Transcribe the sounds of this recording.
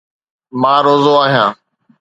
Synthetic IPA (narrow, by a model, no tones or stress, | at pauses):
mãːɾoːzoːaːɦjãː